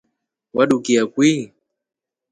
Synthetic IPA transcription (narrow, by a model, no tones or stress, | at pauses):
waɗukiakwi